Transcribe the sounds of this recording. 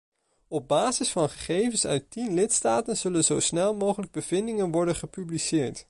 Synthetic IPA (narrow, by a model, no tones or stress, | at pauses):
ɔb̚baːzɪsfɑnχəχejvənsœ̰ɥtinlɪtstaːtənz̥ɵlənzowsnɛlˠmowχələɡ̚bəv̥ɪndɪŋənʋɔɹdənχəpyblisɪːɹt